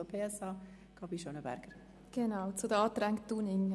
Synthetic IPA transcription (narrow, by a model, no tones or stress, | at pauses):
opʰeːɛsɑː | kɑbiʃonəbɛ̰ɾɡ̥əɾ | ɡ̥enaʊt͡sudɑːtɾɛŋkttd̥uːnɪŋ